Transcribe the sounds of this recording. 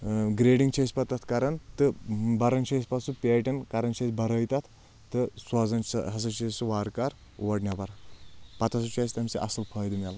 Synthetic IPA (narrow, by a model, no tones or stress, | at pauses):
ɡɾeːɖiŋɡt͡ʃʰɐsʲpɐt̪ɐt̪ʰkɐɾɐnt̪ɨbɐɾɐnt͡ʃʰɐsʲpɐsupʲeːʈɐnkɐɾɐnt͡ʃʰɐsʲbɐɾəjt̪ɐt̪ʰ | t̪ɨsɐzɐnɦɐs̬ɐt͡ʃʰɐsuʋaːɾkaɾ | ʋɐɖnʲɐbɐɾpɐt̪ʰɐsut͡ʃʰɐsʲt̪ɐmʲsiʔɐ̰sɨlpʰɐːjd̪ɨmʲal